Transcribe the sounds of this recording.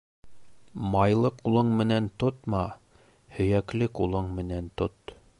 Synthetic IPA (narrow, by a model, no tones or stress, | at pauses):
mɑjlˠɤqulˠɤɴmɘ̆nænt̪ot̪mɑ | hɵ̆jæklɘqulˠɤɴmɘ̆nænt̪ot̪